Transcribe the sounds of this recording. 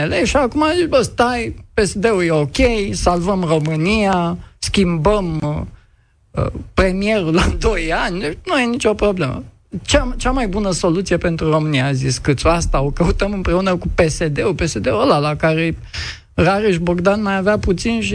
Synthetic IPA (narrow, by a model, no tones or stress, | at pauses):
eleʃiakumazisbəst̪ajpe̞sed̪e̞ujeo̞kʲejsalvəmro̞mɨniaskʲimbəm | pɾe̞mie̞ɾulad̪o̞janʲnujenit͡ʃo̞pɾo̞ble̞mə̰ | t͡ʃat͡ʃamajbunəso̞lut̪sie̞pe̞nt̪ɾuro̞mɨniaziskɨt̪soast̪ao̞kəut̪əmɨmpɾe̞unəkupe̞se̞d̪e̞upe̞se̞d̪e̞uəlalakaɾe̞ | raɾiʃboɡd̪anmajaveaput̪sinʃi